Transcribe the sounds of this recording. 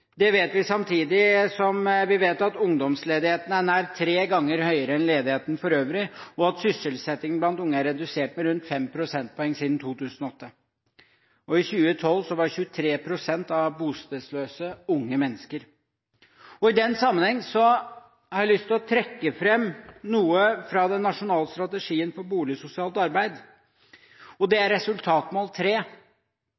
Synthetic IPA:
d̪ɛʋeːt̪ʋɪsɑmt̪ʰiːd̪ɪsɔmʋɪʋeːt̪ɑt̪ʊŋd̪ɔmsleːd̪ɪheːt̪ənəæɳæːɾt̪ʰɾeːɡɑŋːəɾhœʏəɾəɛnleːd̪ɪheːt̪ənfɔɾøːʋɾɪɔɑt̪sʏsəlsɛt̪ːɪŋən̩blɑnt̪ʊŋːəæɾɛd̪ʉseːʈ̚mɛɾʉnt̪fɛmpʰɾʊsɛnt̪̚pʰɔɛŋːsiːd̪n̩t̪ʰuːt̪ʰʉːsn̩ɔɔt̪ːə | ɔɪçʉːət̪ʰɔlːsɔʋɑçʉːət̪ʰɾeːpʰɾʊsɛnt̪ɑʋbuːst̪ed̪sløːsəʊŋːəmɛnːəskəɾ | ɔɪd̪ɛnːsɑmːənhɛŋːsɔ | hɑɾʋɪlʏst̪ʰɪlɔt̪ʰɾɛkːəfɾɛmːnuːəfɾɑd̪ɛnːɑʂʊnɑːləst̪ɾɑt̪əʂiːənfɔɾbuːlɪəsʊsɪɑːlt̪ɑɾbæɪd̪ | ɔd̪ɛæɾɾɛsʉlt̪ʰɑːt̪mɑlt̪ʰɾeː

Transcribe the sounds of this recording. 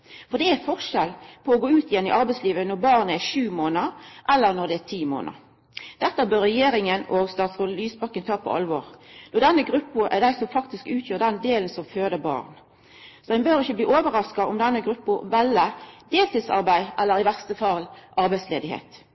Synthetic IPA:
fɔʁd̪ɛæfɔʁʃɛlpʰɔːɡoːʉːt̪ɪjɛnːɪ̰ʔɑʁbæɪsliːʋənɔʁbɑːʁnəæʂʉːmoːnəɾʔɛlːəʁnɔʁd̪ɛæt̪ʰiːmo̰ːnə̰ɾ | d̪̥ɛt̪ːɑbøːɾɛjeːɾɪŋənɔɡst̪ɑːt̪sʁɔlyːsbɑkːənt̪ʰɑːpʰɔ̰ʔɑ̰lʋɔːʁd̪ɔd̪ɛnːəɡɾʉpːʊʔæ̰d̪æɪsɔmfɑkt̪ɪskʉːt̪ʰjøːʁd̪ɛnd̪eːlnsɔmføːd̪əbɑ̰ːʁn | sɔdæɪnbøːɾɪçːəbliːʔoːʋəɾɑskɑʔʊmd̪ɛnːəɡɾʉpːʊʋɛlːəd̪eːlt̪ʰisɑ̰ʁbæɪʔɛlːəɾɪʋæʁst̪əfɑlʔɑɾbæɪsleːd̪ɪhḛːt̪

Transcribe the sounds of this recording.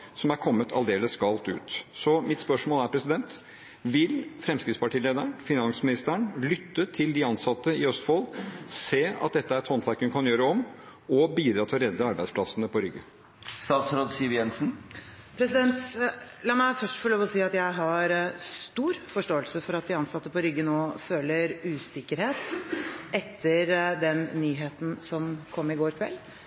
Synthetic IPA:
sɔmæɾkʰɔmːət̪ʰɑ̰ld̪eːləsɡɑlt̪ʉ̰ːt̪sɔmɪt̪spœʂmoːlæɾpʰɾɛsɪd̪ɛnt̪ | ʋɪlfɾɛmskɾɪt̪spɑʈʰiːleːd̪əɳfɪnɑnsmɪnɪst̪əəɳlʏt̪ːət̪ʰɪld̪ɪɑnsɑt̪ːəɪœst̪foːlseːɑ̰t̪̚d̪ɛt̪ːəæɾɛt̪hɔnt̪ʰʋæɾkːəʋɪnkʰɑnjøːɾəɔm | ɔbiːd̪ɾɑːt̪ʰɪlɔɾɛd̪ːəɑɾbæɪsplɑsənəpʰɔɾʏɡːə̰ | st̪ɑːt̪sɾoːd̪siːjɛnsn̩ | pʰɾɛsɪd̪ɛnt̪lɑːmæɪfœʂʈfɔɭoːʋɔsiːɑt̪jæɪɦɑɾst̪uːɾfɔʂʈoːəlsəfɔɾɑt̪̚d̪ɪɑnsɑt̪ːəpɔɾʏɡːənoːføːləɾʉːsɪkːəɾheːt̪ | ɛt̪ʰːəɾd̪ɛnːyːɦeːt̪n̩sɔmkʰɔmːɪɡoːɾkʰʋɛ̰lː

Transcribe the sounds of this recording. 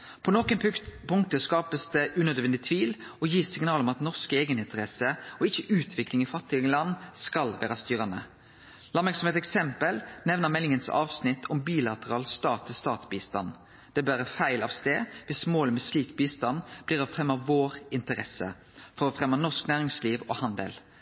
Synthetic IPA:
pʰɔnɔkənpʰʊŋt̪əskɑːpəsd̪ɛʔʉnøːd̪ʋɛnd̪ɪt̪ʰʋiːlɔjiːsɪŋnɑːlɔmɑt̪nɔʁskəeːɡənɪnt̪əʁɛsəɔɪçːəʔʉːt̪ʰʋɪklɪŋɪfɑt̪ːɪlɑnːskɑlʋæːʁɑst̪yːʁɑnə | lɑnmɛksɔmet̪ɛksɛmpəlnɛʋnəmɛlːɪŋənsɑ̰ːʋsnɪt̪ʰːɔmbiːlɑt̪əʁɑːlst̪ɑːt̪ʰːɪst̪ɑːt̪sbiːst̪ɑ̰n | d̪̥ɛæbæːʁɾəfæɪlɑʋst̪eːʋɪsmoːləmɛsliːkbiːst̪ɑnb̥liːʁɔfɾɛmːɑʋoːɾɪnt̪əɾɛsə̰ | fɔɾɔfʁɛmːɑnɔʁsknæːʁɪŋsliːʋɔ̰hɑnd̪ə̰l

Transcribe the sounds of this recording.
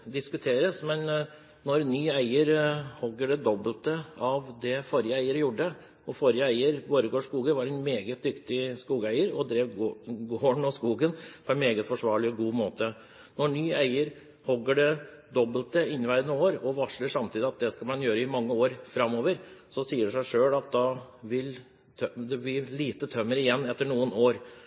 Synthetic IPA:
d̪ɪskʉt̪ʰeːɾəsmɛn | nɔɾnyːæɪəɾhɔɡːəɖɛd̪ɔbːəlt̪əɑʋd̪ɛfɔɾjəæɪəɾəjuɖə | ɔfɔɾjəæɪəɾboːɾəɡoːʂkuːɡənʋɑɖɛnmeːɡət̪̚d̪ʏkt̪ɪskuːɡæɪəɾɔd̪ɾeːʋɡoːɳɔskuːɡənpʰɔɛnmeːɡət̪fɔʂʋɑːɭɪɔɡuːmoːt̪ə | nɔɳyːæɪəɾ | hɔɡːəɖɛd̪ɔbːəlt̪əɪnːɪʋæɪd̪ənəoːɾɔʋɑʂləʂɑmt̪iːd̪ɪɑt̪̚d̪ɛskɑlmɑnjøːɾəɪmɑŋːəoːɾfɾɑmːoːʋəɾsɔsiːəɖɛʂæɪʂøːlɑt̪̚d̪ɑʋɪlʰ | d̪ɛb̪ɪliːt̪ət̪ʰœmːəɾɪjɛnːɛt̪ːəɳuːənoːɾ

